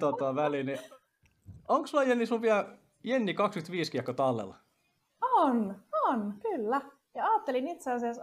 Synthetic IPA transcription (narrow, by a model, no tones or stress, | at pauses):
t̪ot̪ɑˑʋælini | oŋksuɑjenːisuʋʋiæ | jenːikɑkskyt̪ʋiːskiɑkːot̪ɑlːḛl | ononkylːæ | jɑɑːt̪ːelinit̪seɑsiɑs